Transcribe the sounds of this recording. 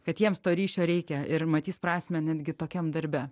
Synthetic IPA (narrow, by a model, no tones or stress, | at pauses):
kɐt̪jiɛmst̪oːɾʲiːt͡ʃʲoːɾʲɛɪkʲɛɪɾmɐt̪ʲiːspɾɑːsʲmʲɛnʲɛd̪ʲɡʲɪt̪oːkʲɛmd̪ɐɾʲbʲɛ